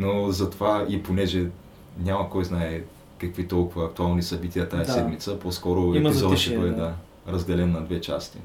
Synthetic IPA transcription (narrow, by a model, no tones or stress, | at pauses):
nozɐt̪ovaiponɛʒɛ | nʲamɐkɔjznaɛ | kɐkvit̪ɔlˠkʊvəːk̚t̪ualˠnisɐbit̪iət̪ajɐsɛd̪mit̪səpɔskɔɾʊɛizzɔd̪ʃt̪ɛbəd̪ɛd̪a | ɾɐzd̪ɛlɛnːɐd̪vɛt͡ʃa̰st̪i